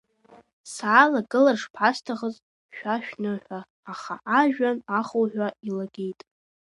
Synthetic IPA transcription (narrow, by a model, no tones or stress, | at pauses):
saːlaɡʼɨlarʂpʰastʰaʁəz | ʃᶣaʃᶣnɨħʷᶣaː | χa̰ʔaʒᶣanaχowħᶣʷailaɡʲe̞jtʼ